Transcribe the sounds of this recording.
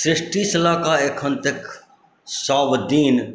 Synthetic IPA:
sɾɪʂʈiːsɪlaːkaːekʰɦənt̪ɪk | saːʋd̪iːn

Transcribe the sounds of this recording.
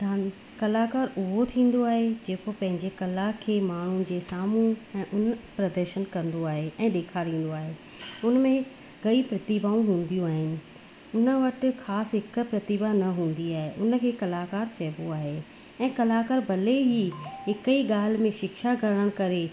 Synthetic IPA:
daːn | kɐlakaːɾʊɦot̪ʰĩːn̆d̪oaːɦed͡ʑeːkopɐ̃ɦɪ̃ɲd͡ʑekɐlakʰeːmaːɳ̤unɪ̆d͡ʑeːsaːmũɛ̃ːʔʊnpɾɐd̪əɾʃənkɐ̃nd̪oaːɦeʔɛ̃ːɗeːkʰaɾĩːn̆d̪oaːɦe | ʊnəmẽ | ɡɐipɾɐt̪iːbaũɦũːn̆d̪ijũaːɦɪnɪ̆ | ʊnə̆ʋɐʈɪxaːsɦɪkə̆pɾɐt̪iːbanɐɦũːn̆d̪iaːɦeʔʊn̆kʰeːkɐlaːkaːɾt͡ɕɐːboaːɦe | ɛ̃ːkɐlakaːɾbʱɐleɦiɦɪkiɠaːl̤mẽʃɪkʃaɡɐɾɽəɽ̃kɐɾe

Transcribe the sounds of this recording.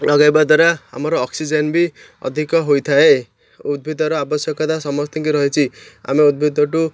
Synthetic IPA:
lɔɡajbad̪waɾaa̰mɔɾɔːksid͡ʒenbi | ɔ̰d̪ʱikɔɦojt̪ʰae | ud̪̚bʱid̪ʱɔɾɔabɔsjɔkɔd̪asɔmɔst̪ʰɔ̃ŋkiɾɔɦet͡ʃʰia̰meud̪̚bʱid̪ʱɔʈu

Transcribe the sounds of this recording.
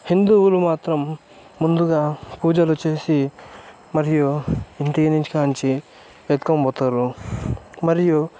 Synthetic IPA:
hind̪uːwulumaːt̪ɾɐmː | und̪uɡaːpuːd͡ʒɐlut͡ʃe̞ːsi | mɐɾijuint̪iiniɲt͡ʃi̥kaːnt͡ʃi | ʋɐt̪kombɔːt̪aːɾu | mɐɾiju

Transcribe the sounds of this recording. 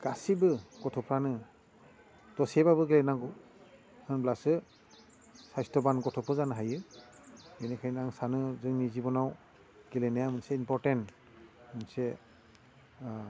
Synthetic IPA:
ɡ̥asibɯɡɔtʰɔpʰɹanɯ | tɔsɛbabɯɡilɛnaɡɔ | hɯnblasɯ | sajstɔbanɡɔtʰɔpʰɯzanɦajɯ | enɛkʰajnaŋsanɯzɯŋnizibɔnaw | ɡelɛnajamɯnsɛimpɔɹtɛnt | mɯnsɛ

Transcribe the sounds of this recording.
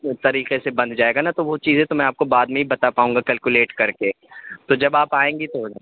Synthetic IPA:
t̪ɐɾiːqesebɐ̃nd̪̚d͡ʒaːeːɡanat̪oʋot͡ʃiːzɦɛ̃t̪omɛ̃aːp̚kobaːd̪mẽɦibɐt̪apaːɦũŋɡakɐlkuleːʈkɐɾke | t̪od͡ʒɐbaːpaːẽːŋɡit̪o

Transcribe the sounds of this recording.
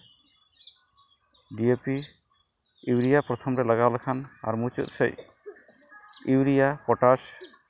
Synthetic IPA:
ɖiepi | iwɾijapɾɔt̪ʰɔmɾɛlaɡalakʰana̰ɾmut͡ʃṵt̪sḛj | iwɾijapɔʈas

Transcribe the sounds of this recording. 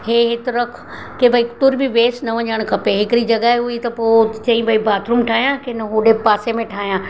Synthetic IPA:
heːɦɪt̪ɾɐkʰ | kebʱɐikt̪ʊɾbʱiʋeːsnɐʋɐɲəɽ̃kʰɐpeɦɪkɪɾid͡ʑɐɡaɦeɦuit̪ɐpoːt͡ɕɐ̃ĩbʱɐibaːt̪ɾʊmʈʰaːɦijãkenɐɦuɖepaːsemẽʈʰaːɦijãː

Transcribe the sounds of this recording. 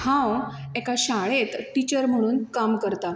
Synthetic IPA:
hãw | ekaɕaɭet̪ʈit͡ɕəɾm̤əɽ̃uːnkamkəɾt̪a

